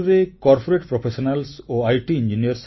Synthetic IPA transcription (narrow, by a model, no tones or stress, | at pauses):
ɾekɔɾpoɾeʈpɾopʰeʃonalsoajʈiind͡ʑinijɐɾs